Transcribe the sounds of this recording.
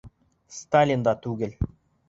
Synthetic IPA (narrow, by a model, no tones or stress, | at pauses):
st̪alʲind̪ɑt̪ʉɡɘ̆l